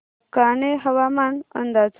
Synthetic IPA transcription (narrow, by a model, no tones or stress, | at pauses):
kaɳeɦəʋamanə̰nd̪at͡s